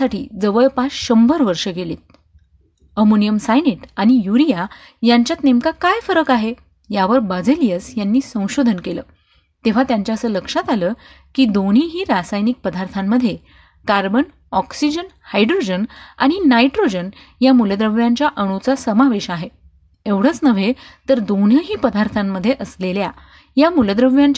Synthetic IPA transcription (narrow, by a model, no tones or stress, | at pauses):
aʈʰḭːd͡zəʋəɭpasɕəmbʱəɾʋəɾʂəɡelet̪̚ | əmonijəmsajneʈaɽ̃ijuɾija | jaɲt͡ɕjat̪nemkakajfəɾəkaɦe | jaʋəɾbəd͡zəlijəsjanːiːsə̃w̃ɕod̪ʱənkeləː | t̪eʋ̤at̪jaɲt͡ɕjaəsəːləkʂat̪aləː | kiːd̪oɽ̤iːɦiːɾasajnik̚pəd̪ʱaɾt̪ʰamːəd̪ʱːje | kaɾbən | ɔksid͡ʑən | hajɖɾod͡ʑəna̰ɽ̃inajʈɾod͡ʑən | jamuləd̪ɾəʋjaɲt͡ɕjaʔəɽ̃ut͡sasəmaʋeɕaɦe | eʋɽ̤ət͡snəʋ̤et̪əɾd̪on̤jaɦiːpəd̪ʱaɾt̪ʰamːəd̪ʱːjeʔəslelja | jamuləd̪ɾəʋjaɲt͡ɕ